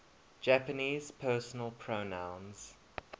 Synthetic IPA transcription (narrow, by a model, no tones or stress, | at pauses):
d͡ʒæpəniːz̥pʰɜːˑsənəlˠpʰɹonãʊ̃nz̥